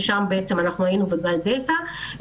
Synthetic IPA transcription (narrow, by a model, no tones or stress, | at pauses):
ʃambeʔet͡semanaχnuainuveɡald̪eta